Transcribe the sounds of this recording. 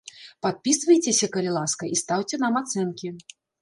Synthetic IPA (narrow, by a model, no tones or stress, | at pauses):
pat̪̚pʲisvɐjt͡sʲesʲɐkɐlʲilˠaskɐʔist̪awt͡sʲɛnamat̪sɛnkʲi